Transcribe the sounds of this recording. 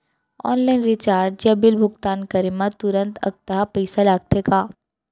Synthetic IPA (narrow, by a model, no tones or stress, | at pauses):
ɔ̰ːnlaːɪnɾɪt͡ʃaːɾd͡ʒjabɪlbʱʊɡt̪aːnkɐɾimat̪ʊɾə̃nt̪ɐ̰k̚t̪aɦapɐɪsalaːɡ̚t̪ʰekaː